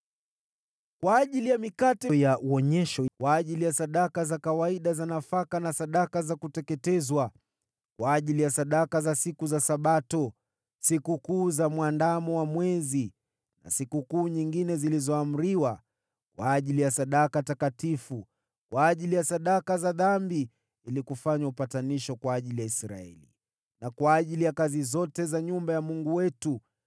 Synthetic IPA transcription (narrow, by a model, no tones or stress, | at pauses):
kwaːʄilijamikatɛjauɔɲɛʃɔkwaːʄilijasaɗakazakawaiɗazanafakanasaɗakazakutɛkɛtɛzwa | kwaːʄilijasaɗakazasikuzasaɓatɔ | sikukuːzamwandamɔwamwɛzi | na̰sikukuːɲiŋɡinɛzilizɔam̩ɾiwa | kwaːʄilijasaɗakatakatifu | kwʔaːʄilijasaɗakazaðambi | ilikufaɲaupataniʃɔkwaːʄilijaisɾa̰ɛ̰li | nakwaːʄilijakazizɔtɛzaɲumbajamuŋɡuwɛtu